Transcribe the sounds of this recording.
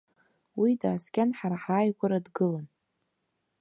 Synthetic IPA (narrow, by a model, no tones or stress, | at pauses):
widaːskʲanħaɾaħaːjɡʷaɾadɡɨlan